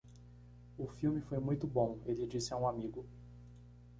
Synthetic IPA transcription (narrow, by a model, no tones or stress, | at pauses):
ʊfiwmɪfojmũj̃t̪ʊbõelɪd͡ʒisɪaũamiɡʊ